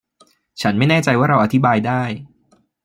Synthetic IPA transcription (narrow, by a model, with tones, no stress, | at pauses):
t͡ɕʰa˦˥nma˥˩jnɛː˥˩t͡ɕa˧jwaː˥˩ɾa˧wʔa˧t̪ʰi˦˥baː˧jdaː˥˩j